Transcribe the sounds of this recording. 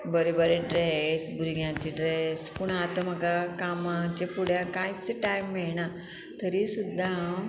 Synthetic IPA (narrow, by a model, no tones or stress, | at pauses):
bəɾebəɾeɖɾesbʱuɾɡjãt͡ɕiɖɾespuɳat̪əm̤əɡakamãt͡ɕepuɽjãkãit͡seʈajmːiɭɳa | t̪əɾisud̪ʱːa